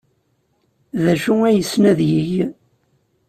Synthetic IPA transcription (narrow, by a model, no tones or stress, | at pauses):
ðæʃuæjəsnæðjəʝ